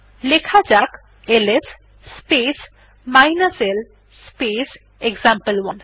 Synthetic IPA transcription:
lekʰad͡ʒak | eles | spes | majnasel | spes | eɡzampəlwɔn

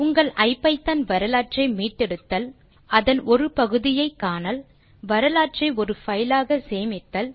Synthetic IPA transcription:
ʊŋɡɐɭʔɐɪpːɐɪt̪ːɐnʋɐɾɐlaːʈt͡ʃɐɪmiːʈːɛɽɯt̪ːɐl | ɐðɐnɔɾɯpɐɣɯðɪjɐɪkːaːnɐl | ʋɐɾɐlaːʈt͡ʃɐɪɔɾɯfɐjlaːɣɐseːmɪt̪ːɐl

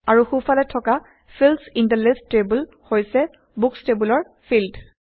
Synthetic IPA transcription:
aɹuxufalɛtʰːɔka | fʰilsintalestɹebul | hojsɛ | bukstebulɔɹ | fʰild

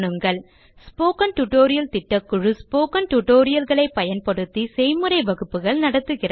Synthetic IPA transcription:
ɳɯŋɡɐɭ | spoːkɐnʈʊʈoːɾɪjɐlt̪ɪʈːɐkːɯɻɯspoːkɐnʈʊʈːoːɾɪjɐlɣɐɭɐɪpːɐjɐnpɐɽɯt̪ːisɛjmɯrɐɪʋɐɣɯpːɯɣɐɭnɐɽɐt̪ːɯɣɪrɐ

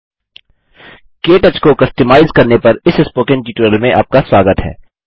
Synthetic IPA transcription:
keːʈət͡ʃkokɐsʈɪmaːɪzkɐɾnepɐɾɪsɪspoːkɪ̃nʈiːʈuɾəlmẽʔa̰ːp̚kaswaːɡət̪ɦɛ̰ː

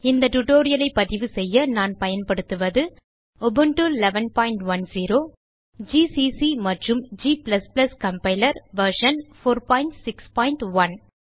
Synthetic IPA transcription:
ɪnd̪ɐʈʊʈoːɾɪjɐlɐɪpːɐðɪʋɯsɛjːɐnaːnpɐjɐnpɐɽɯt̪ːɯʋɐðɯ | ɔbɯɳʈulɛʋɐnpaːɪɳʈʋɐnsiːɾoː | d͡ʒiːsiːsimɐʈrɯmd͡ʒiːplɐsplɐskɐmpɐɪlɐɾʋɐɾʂɐnfoːɾpaːɪɳʈsɪkspaːɪɳʈʋɐn

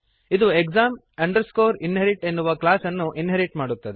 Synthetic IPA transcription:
id̪uekzaːm | ɐɳɖɐɾskoːɾinɦɐɾiʈe̞nːuʋɐklaːsɐnːuʔinɦɐɾiʈmaːɽut̪ːɐd̪ɛ

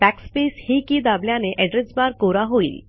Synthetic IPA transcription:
bækspeshikid̪abljaneʔɛɖɾed͡zbaɾkoɾaɦoḭːl

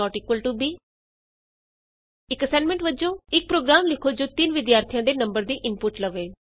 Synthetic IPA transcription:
ɔːʈiːkʋəlʈuːbiː | ɪkəsɛ̃ːnmɛ̃ɳʈʋəd͡ʒõːɪk̚pɾoːɡɾaːmlɪkʰoːd͡ʒoːt̪ɪnʋɪd̪jaːɾt̪ʰijãːd̪eːnəmbəɾd̪iːʔɪnpʊʈləʋeː

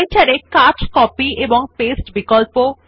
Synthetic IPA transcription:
jt͡ɕaɾekat͡ɕkɔpieboŋpesʈbikolpo

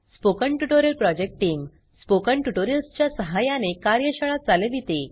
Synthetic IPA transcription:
spokəɳʈjuʈoɾjəlpɾɔd͡ʑek̚ʈiŋɡ | spokəɳʈuʈoɾijəlst͡ɕjasəɦajãnekaɾjəɕəɭat̪̚d͡zaleʋit̪e

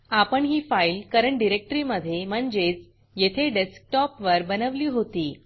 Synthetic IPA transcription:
apəɳɦiːfailkəɾəɳʈɖiɾek̚ʈɾiməd̪ʱːjem̤əɳd͡ʑet͡s | jet̪ʰeɖesk̚ʈɔpʋəɾbənəʋliːɦot̪iː

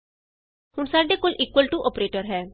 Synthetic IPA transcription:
hʊɳsaːɖeːkoːlʔiːkwəlʈuʔɔːpɾeːʈəɾɦɛː

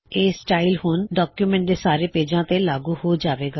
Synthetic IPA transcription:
eːsʈaːilhʊnɖɔːkjuːmɛ̃ɳʈ̚d̪eːsaːɾeːpeːd͡ʒãːt̪eːlaːɡuːhoːd͡ʒaːʋeːɡaː

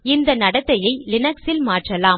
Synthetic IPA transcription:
ɪnd̪ɐnɐɽɐt̪ːɐjɐɪlɪnɐksɪlmaːʈrɐlaːm

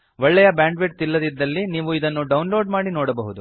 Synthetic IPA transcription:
ʋɔɭːɛjɐbaːɳɖʋeʈ̚t̪ilːɐd̪id̪ːɐlːiniːʋuid̪ɐnːuɖɐwnlo̞ːɖmaːɽinoːɽɐbɐɦud̪u

